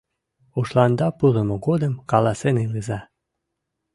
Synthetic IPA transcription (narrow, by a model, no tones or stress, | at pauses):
uʃlɑnd̪ɑpuɾəmoɣod̪əmkɑlɑsenilizɑ